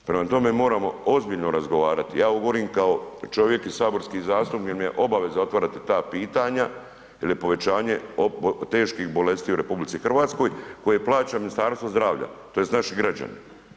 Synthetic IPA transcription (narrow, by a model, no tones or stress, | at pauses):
pɾe̞mat̪o̞me̞mo̞ːɾamo̞̰ozbiʎno̞ɾazɡoʋaːɾat̪ijaːɡoɡo̞ɾiːmkao̞t͡ʃo̞ʋje̞kisaːbo̞ɾskiːzaːst̪umkjeɾmijḛʔo̞baʋe̞zao̞t̪ʋaɾat̪et̪aːpiːt̪aɲa | ilipo̞ʋe̞t͡ɕaːɲe̞ot̪e̞ːʃkixbo̞le̞st̪iːuɾe̞publit̪ixr̩ʋaːt̪sko̞jko̞jeplˠaːt͡ɕaminist̪aːɾst̪ʋozd̪ɾaːʋʎa̰t̪o̞jest̪naʃiɡɾad͡ʑa̰nḭ